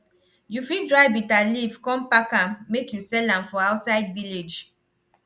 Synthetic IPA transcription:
jufidɹajbitalivkɔ̃mpakãmːekjusɛlãmfɔawtsaɪdviled͡ʒ

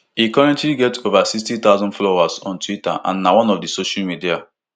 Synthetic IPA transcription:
ikɔɹɛ̃ntliɡɛtovasikstit̪aʊzɔ̃ndflowasɔ̰̃ntwita̰ʔã̰nːawɔ̃nɔfdisoʃalmidia

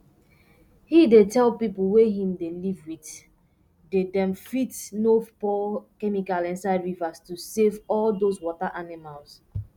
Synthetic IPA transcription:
hidetɛlpipl̩weɦĩmdelivwit | dedɛ̃mfitnopɔkɛmikalɛ̃nsaɪdɹivastusevɔldoswɔtaʔanimals

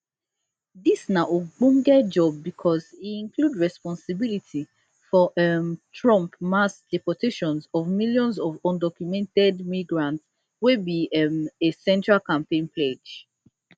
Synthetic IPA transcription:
disnaʔoɡ͡bũŋɡɛd͡ʒɔb̚ːikʰɔziĩŋkludɹɛspɔ̃nsibilitʰi | fɔʔɛmtʰɹɔ̃mpmasd̥ɛpɔtʰeʃɔ̃nsɔvmiljɔ̃nsɔvɔ̃ndɔkjumɛ̃ntɛdmiɡɹãnts | webiɛmesɛ̃ntɹalkãmpẽnpʰled͡ʒ

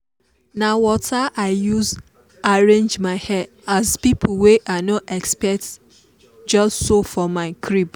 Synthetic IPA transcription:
nawɔtaʔaɪjuz | aɹẽnd͡ʒmaɪhɛ | azpip̩ʰweʔaɪnɔtɛkspɛk̚t | d͡ʒɔstsofɔmaɪkʰɹib

